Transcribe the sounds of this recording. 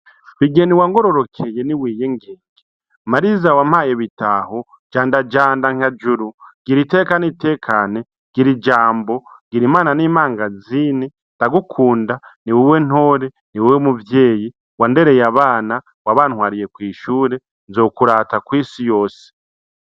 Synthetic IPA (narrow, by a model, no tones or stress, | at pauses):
βiɡe̞niwaŋɡo̞ɾo̞ɾo̞kʰejeniwiːje̞ŋɡeːŋɡe | maɾizawam̥haːjeβitaho | d͡ʒaːndad͡ʒaːndaŋ̥ad͡ʒuɾuɡ̥iɾite̞ːkanite̞ːkʰane | ɡ̥iɾid͡ʒaːmbo̞ɡ̥iɾimaːnaniːmaːŋɡaziːne | nd̥aɡukʰuːndaniwiwe̞n̥o̞ːɾe̞ | niwiwemuvje̞ːji | wande̞ɾe̞jaβaːna | waβaːnhwaːɾije̞kwiːʃuːɾe̞ | nzo̞ːkuɾaːtakwiːsijo̞ːse̥